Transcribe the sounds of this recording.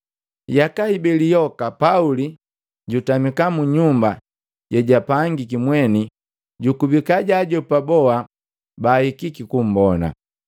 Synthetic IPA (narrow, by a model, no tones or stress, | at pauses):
jakaibɛlijɔkapauli | ɟutamikamuɲumba | ɟɛɟapaŋɡik̬imwɛni | ɟukubikaɟaɟɔpabɔa | baːhikikikum̩bɔna̰